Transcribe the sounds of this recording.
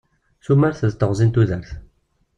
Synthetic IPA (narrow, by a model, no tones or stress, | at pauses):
θumæɾθəðt̪ːəʁzˤint̪uðəɾθ